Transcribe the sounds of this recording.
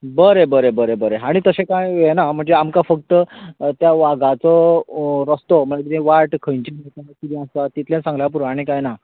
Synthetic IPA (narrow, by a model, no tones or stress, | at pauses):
bəɾebəɾebəɾebəɾeaɽ̃it̪əsẽkãjjenam̤əɳd͡zeamkafək̚t̪ət̪jaʋaɡat͡sɔɾəst̪ɔm̤əlat̪it̪ẽʋaɾʈkʰəjɲt͡ɕeɦet̪anakid̪ĩast̪at̪it̪ljẽsãŋɡljap̬uɾaɽ̃ikajna